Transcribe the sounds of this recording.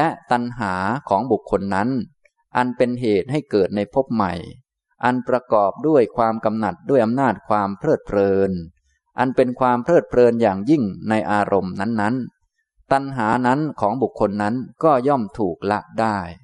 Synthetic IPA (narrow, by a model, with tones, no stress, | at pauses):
lɛ˦˥ʔt̪a˧nɦaː˩˦kʰɔː˩˦ŋbu˨˩kʰːo˧nːa˦˥n | ʔa˧npe˧nɦeː˨˩t̪̚ɦa˥˩jkɤː˨˩t̪̚na˧jpʰo˦˥p̚ma̰˨˩j | ʔa˧npɾa˧kɔː˨˩p̚du˥˩əjkʰwaː˧mka˧mna˨˩t̪̚du˥˩əjʔa˧mnaː˥˩t̪̚kʰwaː˧mpʰɾɤː˥˩t̪̚pʰlɤː˧n | ʔa˧npe˧nkʰwaː˧mpʰɾɤː˥˩t̪̚pʰlɤː˧njaː˨˩ŋji˥˩ŋna˧jʔaː˧ɾʔo˧mna˦˥nːa˦˥n | t̪a˧nɦaː˩˦na˦˥nkʰɔː˩˦ŋbu˨˩kʰːo˧nːa˦˥nkɔː˥˩jɔ˥˩mt̪ʰuː˨˩k̚la˦˥ʔdaː˥˩j